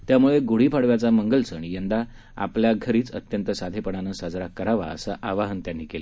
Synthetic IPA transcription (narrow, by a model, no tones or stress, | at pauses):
t̪jamuɭeɡoɽiːpʰaɽʋjat͡saməŋɡəlsəɳ̃ijənd̪a | a̰pljaɡʱəɾiːt͡sə̰t̪jənt̪əsad̪ʱepəɽanəsad͡zɾakəɾaʋa̰ə̰saʔaʋaɦənt̪janːikele